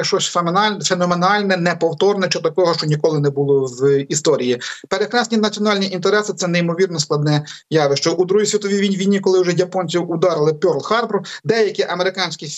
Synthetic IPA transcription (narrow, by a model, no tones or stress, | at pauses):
ɐkʃt͡ʃɔsʲfemnɑfenɔmenɑlʲnɛnɛpɔwt̪ɔrnɛt͡ʃɔt̪ɐkɔɦɔʃt͡ʃɔnʲikɔlˠɪnɛbʊlˠɔwist̪ɔɾʲijipeɾekɾɑsʲnʲinɐt͡sʲiɔnɑlʲnʲiʔint̪eɾɛsɪt̪sɛnɛimɔʋʲirnɔsklˠɐd̪nɛ | jɑʋɪʃt͡ʃɔʔud̪ɾuɦisʲʋʲit̪ɔʋʲiʋʲijnʲʋʲijnʲːikɔlˠɪwʒɛjʲɐpɔnʲt͡sʲiwʊd̪ɑɾɪlˠɪpʲɔrlˠxɑrbrd̪ɛjɐkʲiʔɐmeɾɪkɑnʲsʲkʲi